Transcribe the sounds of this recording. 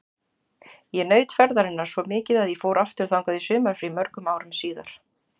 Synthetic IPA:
jɛnœːɥt̪fɛɾðaɾɪnːaɾ̥svɔmɪːcɪðaðjɛfoːwɾaft̪ʏɾ̥θawŋkaðɪsʏːmaɾ̥fɾimœɾkʏmaːwɾʏmsiːða̰ɾ̥

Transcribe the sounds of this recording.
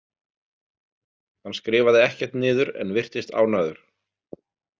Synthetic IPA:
hanskɾɪːvaðɪɛhcɛɾ̥t̪nɪːðʏɾɛ̰nvɪr̥t̪ɪst̪a̰ːwnaːðʏɾ̥

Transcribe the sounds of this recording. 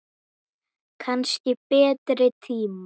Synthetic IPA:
kʰanscɪpɛːt̪ɾɪt̪ʰiːma

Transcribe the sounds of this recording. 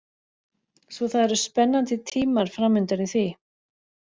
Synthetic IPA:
svɔθaðɛɾʏspɛnːant̪ɪt̪ʰiːmaɾ̥fɾamːʏnt̪aɾiθvi

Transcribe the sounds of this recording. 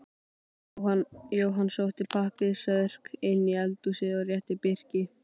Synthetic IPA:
ajoːwɦanːsowht̪ɪpʰahpɪðsœðr̥kenːɪɛlt̪usɪðawrjɛht̪ɪpɪr̥cɪ

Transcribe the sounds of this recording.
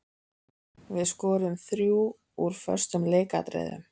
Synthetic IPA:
vɪðskɔːɾʏmθɾjuː | uɾ̥fœ̰r̥st̪ʏmleːka̰t̪ɾɛ̰ːjðʏ̰m

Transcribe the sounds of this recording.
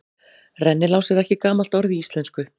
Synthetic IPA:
rɛnːɪlaːwsɛɾɛhcɪkaːmal̥t̪ɔɾðiist̪lɛnskʏ

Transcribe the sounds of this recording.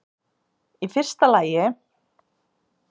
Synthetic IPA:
ifɪr̥st̪alaːjɪ

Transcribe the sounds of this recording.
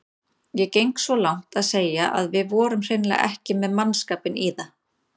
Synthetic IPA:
jɛcejŋksvɔlawŋ̥t̪aðseːjaʔa̰ðvɪðvɔːɾʏmr̥ejnlɛ̰ɛ̰hcɪmɛðmanskaːpɪniːða

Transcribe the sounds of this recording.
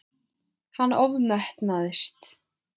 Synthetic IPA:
hanːɔvmɛht̪naðɪst̪

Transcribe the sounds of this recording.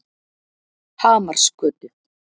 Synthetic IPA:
haːmar̥skœːt̪ʏ

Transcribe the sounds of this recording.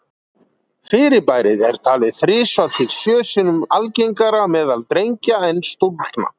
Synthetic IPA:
fɪːɾɪpaːjɾɪðɛɾ̥t̪ʰaːlɪðθɾɪːsvalt̪ɪðsjœːsɪnʏmalceŋkaɾamɛːðalt̪ɾejɲcaɛnːst̪ult̪na̰

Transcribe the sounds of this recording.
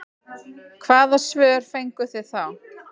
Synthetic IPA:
kʰvaːðasvœːɾ̥fejŋkʏθɪðθaw

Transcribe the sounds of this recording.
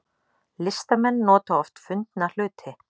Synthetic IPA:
lɪst̪amɛnːɔːt̪aɔft̪fʏnt̪nal̥ʏːt̪ʰɪ

